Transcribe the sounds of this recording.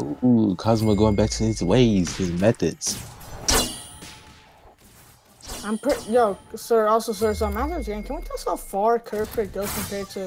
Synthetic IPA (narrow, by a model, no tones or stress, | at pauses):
ukʰɑzməɡoʊɪ̃ŋbæk̚tʰɨɪzweɪz̥ɨzmɛθɨdz̥ | ãɪ̃mpʰɹ̥ɪjɛsɜ˞ɔlˠsoʊs̬ɜ˞sʌ̃mɛθədzɡɛ̃nkʰə̃nwitʰɛsofɑɹkʰɜ˞kʰəɡ̥ɪlˠkʰə̃mpʰɛɹd̚tʰɨ